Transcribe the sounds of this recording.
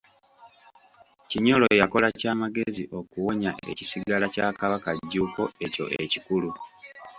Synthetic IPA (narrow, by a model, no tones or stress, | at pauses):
ciɲo̞lo̞jako̞lacaːmaɡe̞ziʔo̞kuwo̞ɲaʔe̞̰ci̥siɡalacaːkaβakaɟːuːko̞e̞co̞̰ʔecikulu